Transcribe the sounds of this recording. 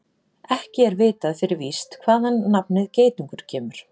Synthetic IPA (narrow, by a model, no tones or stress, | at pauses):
ɛhcɪɛɾveːt̪aðfɪɾɪɾvist̪kʰvaːðhanːapnɪðceːjt̪uŋkʏɾ̥cʰɛːmʏɾ̥